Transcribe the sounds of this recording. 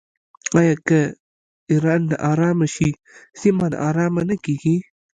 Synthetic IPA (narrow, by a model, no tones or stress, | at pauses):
ajakɐ | iɾanːa̰ʔaɾaːmɐʃi | simana̰ʔaɾaːmɐnɐkiɡi